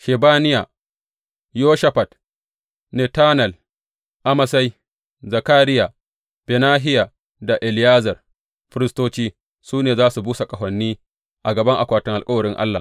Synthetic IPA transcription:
ʃe˨baː˦nɪ˦ja˨ | joː˦ʃɐ˦ɸa˨t | ne˨taː˦nɐ˨l | ʔa˦ma˨sa˦j | za˨kaː˦ɾɪ˦ja˨ | b̥ɛ˨naː˦ɦɪ˦ja˨ | da˨ʔɛ˨lɪ˨jaː˦zɐ˨r | ɸɪ˦ɾɪ˦stoː˦t͡ʃiː˦ | suː˦neː˨zaː˦su˨buː˦sa˨kʼɐ˨ɦʷɐ˨nːiː˦ | ʔa˨ɡɐ˨bɐ˦ŋʔa˨kʷaː˨tɪ˦ŋʔa˨kʼɐ˦wɐ˨ɾɪ˦ŋʔa̰˦lːa̰ː˨

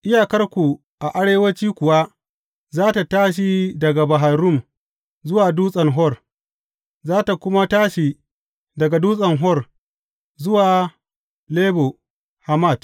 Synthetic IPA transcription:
ʔɪ˦jaː˨kɐ˦rkʷu˨ | ʔa˨ʔa˦ɽeː˦wɐ˦t͡ʃiː˦kʷʊ˨wa˦ | zaː˦ta˨taː˦ʃ̬i˦dɐ˨ɡa˨ba˨ɦa˨ɾʊ˦˨m | zʊ˦waː˨duː˦sʼɐ˨ŋɦɔ˦r | zaː˦ta˨kʷʊ˦ma˦taː˦ʃi˨ | dɐ˨ɡa˨duː˦sʼɐ˨ŋɦɔ˦˨r | zʊ˦waː˨ | leː˦bo˨ | ha˨ma˦˨t

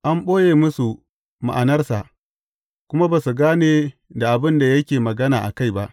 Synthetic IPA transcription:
ʔa˦mɓoː˦jeː˨mʊ˦su˨ | ma̰˨ʔa˨nɐ˦rsa̰˨ʔ | kʷʊ˦ma˦ba˨su˨ɡaː˦neː˨da˨ʔa˨bɪ˦nda˨jɐ˦kʲeː˨mɐ˨ɡɐ˦naː˨ʔa̰˨ka˦˨jba˦ʔ

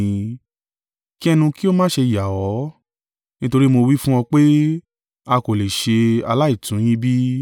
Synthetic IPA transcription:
ki˦ɛ˦˧nũ˧ki˦o˦mãː˦ʃe˧˨ja˨ɔ˨˦ | nĩ˦to˧ɾi˦mo˧wi˦fũ˦ɔ̃˧k͡pe˦ | a˧ko˨le˨ʃe˧a̰˧la˦i˦˨tũ˨˦j̃ĩ˦bi˦

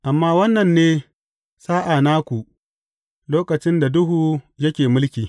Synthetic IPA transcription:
ʔa˨mːaː˦wɐ˦nːɐ˨nːeː˦ | saː˦ʔa˨naː˦kʷu˨ʔ | loː˦kɐ˨t͡ʃɪ˦nda˨dʊ˦ɦuː˨jɐ˦kʲeː˨mʊ˦lkʲiː˨

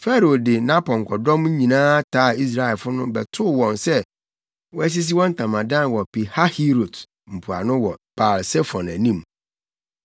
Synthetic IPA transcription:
fɛ˦ɾo˨dɪ˨nã˦pɔ̃˨ŋ̩˨kʰɔ˨dɔ̃˦mɲ̩˦ɲĩ˨nãː˦tʰaː˦˨i˦s̬ɾa˦˨ɛ˨lfʊ˦nʊ̃˦bɛ˨tʰʊ˦˨wɔ̃˨nsɛ˦ | wɔ˦æ˦s̬i˦s̬i˦wɔ̃˦n̩˦tʰã˨mã˨dã˦n˨wɔ˨pi˨ha˦hi˦ɾo˨d | m̩˨pʰu˨a̰˨nʊ̃˦wɔ˨b̥a˨lsɛ˦fɔ̃˨næ˨nĩ˦m

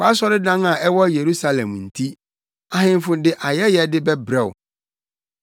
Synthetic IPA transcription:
k͡pa˦s̬ɔ˦ɾɪ˦dã˦ŋa˨ʔɛ˦wɔ˦je˨ɾu˦sa˦lɛ̰̃˨mn̩˨tʰi˦ | a˨ɦɪ̃˦m˦fʊ̃˨dɪ˦ʔa˨jɛ˦jɛ˨dɪ˦bɛ˦bɾɛ˦˨wʊ̰˨

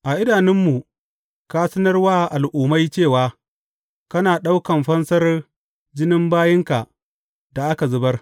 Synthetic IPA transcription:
ʔa˨ʔɪ˦daː˨nɪ˦mːu˨ | ka˦sɐ˦nɐ˦rwaː˦ʔa˨lʔuː˨ma˦jt͡ʃeː˦˨waː˦ | kɐ˦naː˨ɗa˦wkɐ˨mɸɐ˦nsɐ˦r | d͡ʒɪ˦nɪ˦mbaː˦jɪ˦ŋka˨ʔ | da˨ʔa˦ka˨zʊ˨bɐ˦r

